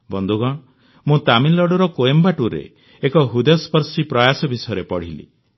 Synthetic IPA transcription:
bɔnd̪ʱuɡɔɽ̃ | mũt̪aminlɔɽɔɾɔkoembaʈuɾḛ | ekɔɦud̪jɔspɔɾsipɾɔjasɔbisɔjɔɾepɔɽ̤ilḭ

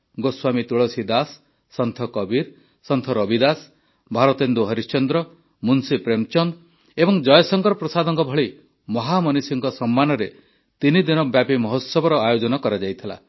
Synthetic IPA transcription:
ɡoswamit̪uɭɔsid̪asː | ɔnt̪ʰɔkɔbiɾ | sɔnt̪ʰɔɾɔbid̪as | bʱaɾɔt̪end̪uɦɔɾist͡ʃɔnd̪ɾɔ | munsipɾemt͡ʃɔnd̪ | ebɔŋd͡ʒɔjɔsɔŋkɔɾɔpɾɔsad̪ʱɔŋkɔbʱɔɭi | mɔɦamɔnisiŋkɔsɔmːanɔɾe | t̪inid̪inɔbjapimɔɦot̪sɔbɔɾɔajod͡ʒɔnɔkɔɾad͡ʒajt̪ʰila̰

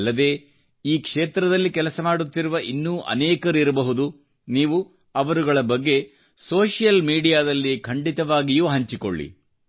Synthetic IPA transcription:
lːɐd̪e̞ː | iːkʂeːt̪ɾɐd̪ɐlːikɛlɐsɐmaːɽut̪ːiɾuʋɐʔinːuːʔɐ̰nɛːkɐɾuiɾɐbɐɦud̪u | niːʋu | ɐʋɐɾuɡɐɭɐbɐɡːe̞ | soːʂijɐlmiːɽijaːd̪ɐlːikʰɐɳɖit̪ɐʋaːɡijuːɦɐɲt͡ʃiko̰ɭːḭ

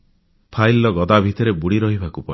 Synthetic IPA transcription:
pʰajlːɔɡɔd̪abʱit̪ɔɾebuɽiɾɔɦibʱakupɔi

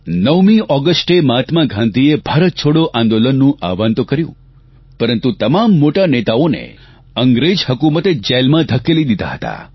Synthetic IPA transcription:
nəʋmĩɔɡəsʈemat̪mãɡʱãnd̪iebʱaɾət̪̚t͡ʃʰoɽoʔãnd̪olənːũʔa̰ʋant̪okəɾjṵ̃ | pəɾənt̪ut̪əmamːoʈanet̪aonḛ | əŋɡɾed͡ʒhəkumət̪ed͡ʒelmãd̪ʱəkelid̪id̪a̰ɦət̪a̰

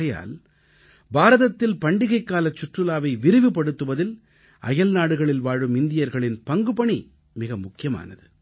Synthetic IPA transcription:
ɐja̰ːl | baːɾɐðɐt̪ːɪlpɐɳɖɪɣɐɪkːaːlɐt͡ʃːʊʈrɯlaːʋɐɪʋɪɾɯʋɯpɐɽɯt̪ːɯʋɐðɪl | ɐ̰jɐlnaːɽɯɣɐɭɪlʋaːɻɯmɪnd̪ɪjɐɾɣɐɭɪnpɐŋɡɯpɐɳi | mɪɣɐmʊkːɪjɐma̰ːnɐðɯ

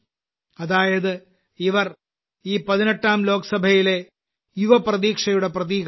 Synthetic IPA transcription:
ɐðaːjɐðɨ | iʋɐr | iːpɐðineʈːaːmlo̞ːkɐsɐbʱɐjile̞ | juʋɐprɐðiːkʂɐjuɽe̞prɐðiːk

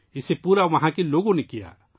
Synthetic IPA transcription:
ɪsepuːɾaʋɐɦãkiloːɡõnekija̰

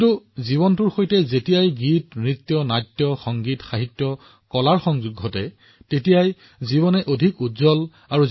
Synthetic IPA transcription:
kituziβɔntuɹxojtɛzetijajɡitmɹit̪jɔnajtjɔxɔŋɡitxaɦitjɔ | kɔlaɹxɔŋzuɡʱːɔtɛ | tetijaj | ziβɔnɛʔodʱikuzɔl | aɹu

